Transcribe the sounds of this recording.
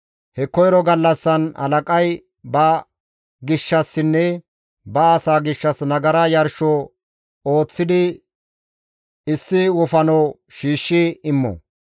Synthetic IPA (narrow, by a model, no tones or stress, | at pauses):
hɛkɔjɾɔɡɐlːɐsːɐnɐ̰lɐkʼɐj | bɐ | ɡɪʃːɐsːɪnːɛ | bɐːsaːɡɪʃːɐsnɐɡɐɾɐjɐɾʃɔ | o̞ːt͡sːɪd̪ɪ | ɪsːɪwʊfɐnɔw | ʃiːʃːɪɪmːɔ̰